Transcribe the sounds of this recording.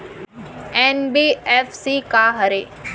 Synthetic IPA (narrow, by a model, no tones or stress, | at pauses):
ɛnbiːɛːfsikaɦɐɾeː